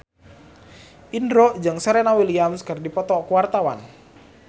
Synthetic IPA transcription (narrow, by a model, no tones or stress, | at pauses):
ʔindɾɔʔd͡ʒɨŋsɛɾɛnawiliamskɨrdipɔt̪ɔkuwart̪awa̰n